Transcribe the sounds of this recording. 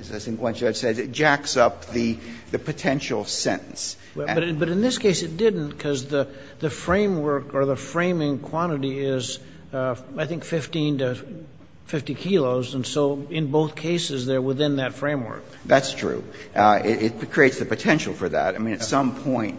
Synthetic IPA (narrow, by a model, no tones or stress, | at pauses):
ɨzasɪ̃nɡwɑ̃nt͡ʃɨd̥sɛzɨt̚d̥ʒ̥æksʌp̚ðɨðɨpʰɨtʰɛ̃nʃl̩ˠsɛ̰̃ɾn̩s | wbʌɾbʌɾɨ̃nðɪskʰeɪsɨt̚d̥ɪdⁿn̩tkʰʌzðɨ | ðɨfɹẽɪ̃mwɜ˞kə˞ðəfɹẽɪ̃mɪ̃ŋkʰw̥ɑ̃ɾ̃ɨɾiɪz̥ | aɪθɪ̃ŋkfɪftĩntɨ | fɪftikʰilˠoʊzə̃nsoʊɪ̃nboʊθkʰeɪsɨzðə˞wɪθɪ̃nðɨtfɹẽɪ̃mwɜ̰˞k̚ | ðætstʰɹ̥ʉ̰ɪɾɪt̚kʰɹ̥ieɪtsðɨpɨtʰɛ̃nʃl̩ˠfə˞ðæ̰ɾaɪmĩnɨsʌ̃mpʰɔ̃ɪ̃nt̚